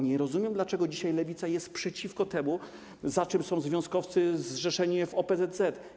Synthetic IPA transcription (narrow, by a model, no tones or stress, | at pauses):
ɲɛɾɔzumʲjɛmd̪lat͡ʂɛɡɔd͡ʑiɕajlɛvʲit̪sajɛst̪̚pʂɛt͡ɕifkɔt̪ɛmu | zat͡ʂɘmsɔ̃w̃zvʲjɔ̃skɔft̪sɘzʐɛʂɛɲivɔpɛzɛd̪zɛt̪